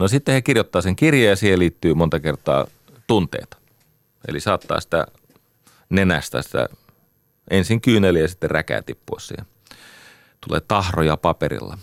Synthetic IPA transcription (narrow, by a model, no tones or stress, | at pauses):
nosit̪ːehekirjot̪ːɑːseŋkirjɑjjɑsiːheliːt̪ːyːmont̪ɑkert̪ˑɑ̰ː | t̪unt̪ḛˑːt̪ɑ̥ | ḛlisɑːt̪ːɑ̰ːsi̥t̪æ̰ | nenæst̪æ̰sĭ̥t̪æ̰ | ʔensiŋkyːnelːejɑsit̪ːerrækæ̰ːt̪ipːuɑssḭːhen | t̪ulḛːt̪ɑhrojɑpɑpḛrḭlːɑ